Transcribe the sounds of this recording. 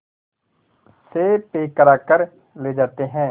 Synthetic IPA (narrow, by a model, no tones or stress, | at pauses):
seːpeːkəɾaːkəɾ | leːd͡ʒaːt̪eɦɛ̃ː